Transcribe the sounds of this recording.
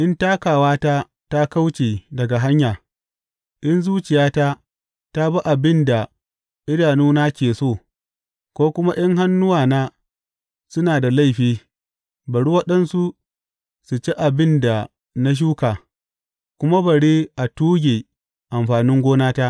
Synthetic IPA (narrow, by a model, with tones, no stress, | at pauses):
ʔɪ˦ntaː˦kaː˨waː˦ta˦ | ta˦ka˦wt͡ʃeː˨dɐ˨ɡa˨ɦa˦ɲjaː˨ | ʔɪ˦nzuː˦t͡ʃɪ˨jaː˦ta˦ | ta˦ba˦ʔa˨bɪ˦nda˨ | ʔɪ˦daː˨nuː˦na˦kʲeː˨soː˦˨ | kʷoː˦kʷʊ˦ma˦ʔɐ˦ŋɦa˦nːʊ˦waː˨naː˦ | sʊ˦naː˨da˨la˦˨ɸiː˦ | bɐ˨ɽu˦wɐ˦ɗɐ˦nsu˦ | su˨t͡ʃe˦ʔa˨bɪ˦nda˨ | na˦ʃ̬uː˦kaː˨ | kʷʊ˦ma˦bɐ˨ɽi˦ʔa˨tuː˦ɡʲeː˨ | ʔa˨mɸaː˨nɪ˦ŋɡʷoː˦naː˦ta˦ʔ